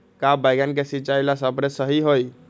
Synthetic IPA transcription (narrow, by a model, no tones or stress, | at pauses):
kabaɪɡank̬esit͡ʃailasəpɾesəɦiɦoj